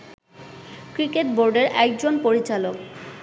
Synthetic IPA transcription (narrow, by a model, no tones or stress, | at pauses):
kɾikeʈboɾɖeɾʔɛk̚d͡ʑonpoɾit͡ɕalok̚